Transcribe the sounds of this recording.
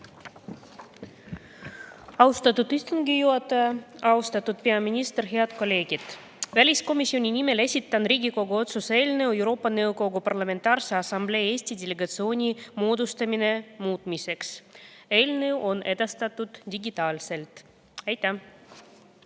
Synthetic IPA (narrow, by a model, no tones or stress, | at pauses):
ɑwst̪ɑt̪ːut̪ist̪unɡijuɑt̪ːɑɑɑust̪ɑt̪ːˑut̪̚pe̞ɑminʲist̪erɦe̞ɑd̪ko̞lʲːe̞ːɡ̥id̪̥ | vælʲisko̞misʲːio̞nʲinime̞le̞sʲit̪ːˑɑnriːɡiko̞ɡuo̞t̪suse̞ːlneuewɾo̞ːpːɑnɤwɡo̞ɡupɑrlɑme̞nt̪ɑːrseɑsɑmble̞ːe̞ːsʲt̪ʲid̪ʲele̞ɡɑt̪sio̞ːnʲimoːd̪ust̪ɑmine̞muːt̪ˑmise̞kse̞ːlnewʔo̞ne̞d̪̥ɑst̪ɑt̪ːˑud̪̥d̪̥ʲiɡit̪ɑːlse̞lt̪ | ɑjt̪ːˑæ